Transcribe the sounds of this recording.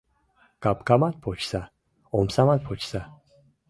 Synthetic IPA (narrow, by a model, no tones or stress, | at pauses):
kapkamat̪pʰot͡ʃsa | omsamat̪pʰot͡ʃsa